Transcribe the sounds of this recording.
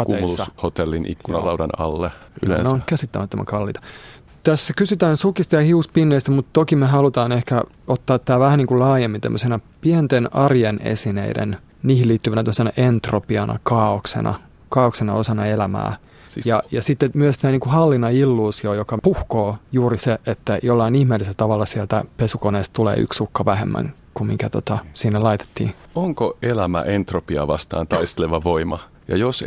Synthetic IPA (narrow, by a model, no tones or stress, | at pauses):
okuːɑhot̪elːinḭkːunɑlɑwdɑnɑ̰lːey̰lḛneoŋkæsit̪ːæmæt̪ːo̰mæ̰ŋkɑlːḭːt̪ɑ̥ | t̪æsːækysyt̪æːnsukist̪ɑjɑhiuspinːeist̪æmut̪t̪okimeɦɑlut̪ɑːnehkæ | ot̪ːɑːt̪ːæːʋæhæniːŋkulɑːjemːint̪ḛmːøsenɑpient̪enɑrjenḛsinḛidḛn | niːhiliːt̪ːyʋænæt̪omsenɑʔent̪ropiɑnʔɑ̰kɑːoksḛnɑ̰ | kɑːoksenɑosɑnɑelæmæ̰ː | jɑjɑsit̪ːemyøst̪æːniːkuhɑlːinɑilːuːsiojokɑpuhkoːjuːriseʔet̪ːæjolːɑinihmeːlːiselt̪ɑʋɑlːɑsielt̪æpesukoneːst̪t̪ulḛːy̰ksukːɑʋæhemːæ̰ŋ | kummiŋkæt̪ot̪ɑsinːelɑit̪e̥t̪ːḭːoŋkoelæmæ̰ʔent̪ropiɑ̰ʋɑst̪ɑ̰ːnt̪ɑist̪eleʋɑʋoimɑ | jɑ̰jos